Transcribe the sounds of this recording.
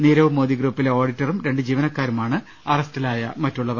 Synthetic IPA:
niːɾɐʋumo̞ːd̪iɡruːpːileo̞ːɽitːɐrumɾe̞ɳɖɨd͡ʑiːʋɐnɐkːaːɾumaːɳɨ | ɐrɐstɐlaːjɐ̰mɐtːuɭːɐð

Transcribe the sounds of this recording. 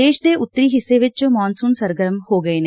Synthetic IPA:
eːʂd̪eːʔʊt̪ːɾiɦɪseːʋet͡ʃːɯmaːnsuːnsɐɾɡɐɾɐmhoːɡɐːne

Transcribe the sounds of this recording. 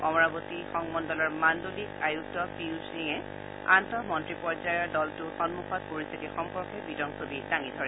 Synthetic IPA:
ɔmɔɹabotixɔŋmɔndɔlɔɹmandolikajuk̚tɔpiusliŋɛ | a̰ntɔmɔntɹipɔɹzajɔɹdɔltʊxɔnmukʰɔt̚poɹist̪ʰitixɔmpɔɹkɛbidɔŋsobidaŋidʱɔɹɛ

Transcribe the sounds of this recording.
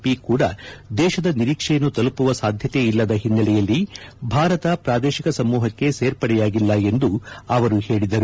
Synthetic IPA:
pikuːɽɐd̪ɛːʃɐd̪ɐniɾiːkʂɛjɐnːut̪ɐlupuʋɐsaːd̪ʱjɐt̪e̞ilːɐd̪ɐɦinːɐlɛjɐlːibʱaːɾɐt̪ɐpɾaːd̪ɛːʃikɐsɐmːuːɦɐkːe̞seːɾpɐɽɛjaːɡilːɐe̞nd̪uɐʋɐɾuhe̞ːɭid̪ɐɾu

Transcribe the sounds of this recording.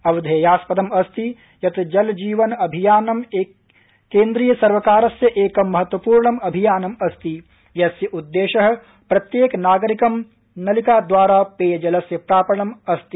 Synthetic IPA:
ɐʋɐd̪ʱeːjaːspɐd̪ɐmɐst̪i | jɐt̪d͡ʒɐld͡ʒiːʋɐnɐbʱijaːnɐmeː | kːeːnd̪ɾiːjɐsɐɾʋɐkaːɾɐsjɐʔeːkɐmːɐɦɐt̪ʋɐpuːɾɳɐmɐbʱijaːnɐmɐst̪i | jɐsjɐʔud̪ːeːʃɐɦɐ̆ | pɾɐt̪jeːknaːɡɐɾikɐm | nɐlikaːd̪ʋaːɾaːpeːjɐd͡ʒɐlɐsjɐpɾaːpɐɳɐmɐst̪i

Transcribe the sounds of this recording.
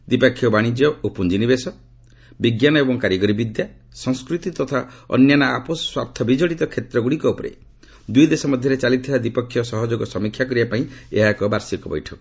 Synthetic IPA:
d̪ipakʰːjɔbaɽ̃id͡ʒjɔʔupund͡ʒinibesɔ | biɡjanɔebɔŋkaɾjɔɡɔɾibid̪ja | sɔŋskɾut̪it̪ɔt̪ʰaɔ̰njanaaposɔ̥swapt̪ʰɔbid͡ʒɔɽit̪ɔkʰet̪ɾɔɡuɽikɔopɔɾḛ | d̪ujd̪esɔmɔd̪ʱjɔɾet͡ʃalit̪t̪ʰibad̪ipɔkʰːjɔsɔɦɔd͡ʒoɡɔsɔmikʰjakɔɾiapaĩḛɦakɔbaɾsikɔbɔ̰jʈʰɔ

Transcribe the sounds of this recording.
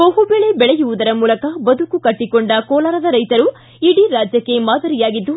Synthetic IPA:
bɐɦubɛɭe̞bɛɭeɛjuʋud̪ɐɾɐmuːlɐkɐbɐd̪ukukɐʈːikoɳɖɐkɔːlaːɾɐd̪ɐɾɐjt̪ɐɾu | iɽiɾaːd͡ʒjɐkːe̞maːd̪ɐɾijaːɡid̪ːu

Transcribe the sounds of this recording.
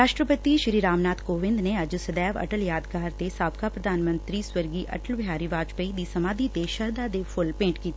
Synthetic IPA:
ɾaːʃʈɾəpət̪iʃɾiːɾaːmnaːt̪koːʋɪ̃nd̪neɐd͡ʒsəd̪ɛːʋə̰ʈəljaːd̪ɡaːɾt̪esaːbkaːpɾəd̪ʱaːnmə̃nt̪ɾiswəɾɡiːʔɐ̰ʈəlʋjaːɾiːʋaːd͡ʒpəid̪iːsɐmaːd̪it̪eʃəɾd̪aːd̪epʰʊlpẽːɳʈkiːt̪ː

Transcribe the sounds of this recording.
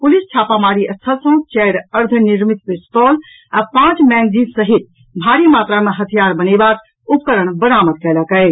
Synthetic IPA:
pʊlist͡ʃʰaːpamaːɾiəst̪ʰəlsõt͡ʃɛːɾəɾd̪ʱənɪɾmit̪̚pɪst̪ɔːl | apãːt͡ʃmɛːnziːnsəɦit̪̚ | bʱaːɾimaːt̪ɾamẽɦət̪ʰijaːɾbənebaːk | ʊp̚kəɾəɳ̃bənaːməd̪̚kɛːlakəe

